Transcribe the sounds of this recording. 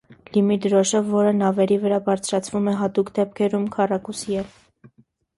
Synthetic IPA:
limid̪ɾɔʃəvːɔɾənɑvɛɾivəɾɑbɑɾt͡sʰɾɑt͡sʰvumɛɦɑt̪ukd̪ɛp̚kʰɛɾumkʰɑrɑkusiɛl

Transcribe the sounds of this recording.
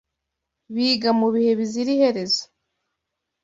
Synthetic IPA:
βiːɡamuβihe̞βiziɾihe̞ɾe̞zo

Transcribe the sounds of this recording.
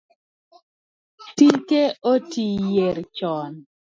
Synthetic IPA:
tiŋkeotijeɾt͡ʃɔn

